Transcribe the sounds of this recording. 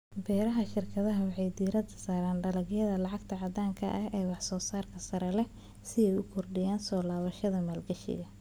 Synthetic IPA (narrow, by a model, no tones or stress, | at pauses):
bɛːɾɐɦɐʃɪrkʰɐðɐɦɐwɑħɑjd̪iːɾɐd̪ɐsaːɾaːnɖɐlɐɡjɐðɐlɑʕɑɡt̪ʰɐʕɑd̪aːŋkʰɐʔɐɦɛːwɑħsɔːsaːrkʰɐsɐɾɛlɛ | sɪɛjʊkʰɔrɖɪjaːnsɔːlaːβɐʃɐðɐmaːlɡɐʃɪ̰ɣɐ